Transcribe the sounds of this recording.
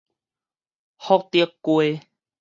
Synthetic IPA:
hɔ˦k̚t̪i˦əkkwe˦

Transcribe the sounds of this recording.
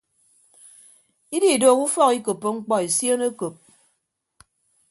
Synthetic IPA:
i˦di˦i˨doː˦˨ku˦fɔ˦ki˦ko˨pːo˨ŋ͡m̩˦k͡pɔ˦e˨sjo˦ne˦ko˨p̚

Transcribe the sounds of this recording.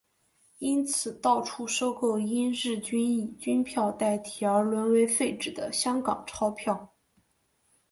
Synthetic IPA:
i˥nt͡sʰɹ̩˨˩t̪ɑ˥˩ʊʈ͡ʂʰu˥ʂo˥ʊko˥˩ʊi˥nɻɻ̩˥˩t͡ɕy˥ni˥˩t͡ɕy˥npʰjɑ˥˧ʊt̪a˥˩ɪt̪ʰi˨˩ə˞˧˥lwə˧˥nwe˧˥ɪfe˥˩ɪʈ͡ʂɻ̩˨˩d̪ə˦ɕjɑ˥ŋkɑ˨˩ŋʈ͡ʂʰɑ˥ʊpʰjɑ˥˩ʊ

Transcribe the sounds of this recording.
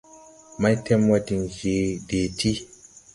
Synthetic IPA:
ma˦jtʰɛ˦mwa˦ti˨nʒe˨˦de˨ti˦

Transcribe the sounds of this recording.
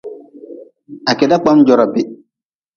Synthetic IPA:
a˨kɛ˨da˦k͡pa˦md͡ʒɔ˨ɾa˨bɪ˦

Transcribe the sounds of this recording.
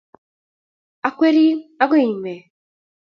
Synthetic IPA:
a˨kwe˦ɾi˦a˦ɡe˦i˨me˨

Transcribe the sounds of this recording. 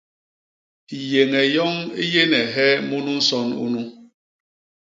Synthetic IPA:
je˨ŋɛ˨jɔ˦ŋi˦je˦nɛ˨ɦɛ˦mu˦nu˦n̩˦sɔ˦nṵ˦nu˦

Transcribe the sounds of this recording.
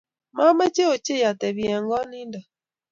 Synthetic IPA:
ma˦mɛ˦t͡ʃe˦o˨t͡ʃe˦˨ja˨tɛ˨βi˨ɛ˨ŋɡɔ˦ni˦nda˨

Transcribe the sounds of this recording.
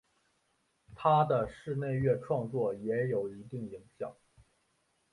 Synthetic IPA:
t̪ʰa˥d̪ə˨ʂɻ̩˥˧ne˥˧ɪɥɛ˥˧ʈ͡ʂʰwɑ˥˧ŋt͡swɔ˥˩jɛ˧˥jo˨˩ʊi˧˥t̪i˥˩ŋi˨˧˩ŋɕjɑ̰˨˩˦ŋ

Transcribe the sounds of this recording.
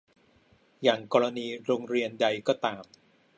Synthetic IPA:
jaː˨˩ŋkɔː˧ɾa˧niː˧ɾoː˧ŋɾi˧ənda˧jkɔː˥˩t̪aː˧m

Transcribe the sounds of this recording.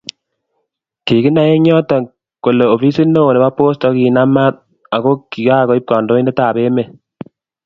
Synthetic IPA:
ki˨ki˦na˨˦je˦ɲɔ˦tɔ˨ŋ | ko˨le˨o˨fi˦si˦no˦o˨ne˨ba˦po˦stɔ˨˦ki˨na˦ma˦t̚ | a˨ko˦ki˨ka˦˨kɔ˨˦i˦p̚kɔ˨ndo˦i˦ndɛ˦taː˨pe˦me˨

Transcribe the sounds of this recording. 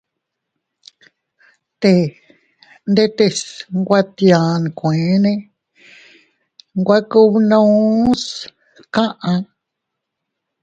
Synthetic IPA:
t̪e˧˨ | nd̪e˦t̪e˧sŋɡʷa˦t̪jã˨n˨kʷẽ˨˦nẽ˦ | ŋɡʷa˦ku˦βnũ˦s | kã˦ʔã˧

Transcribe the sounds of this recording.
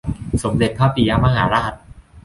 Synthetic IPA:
so˩˦mde˨˩t̪̚kʰaː˥˩piː˧jaː˧ma˧ɦaː˩˦ɾa˦˥ɦa˨˩t̪̚

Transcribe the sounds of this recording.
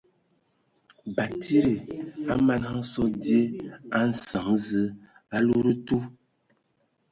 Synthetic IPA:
ba˨tʰi˦ɾe˨a˦ma˦nha˦sɔ˦dje˦a˦n̩˦sa˨ŋzə˦ | a˦lo˦ɾə˦tu˦

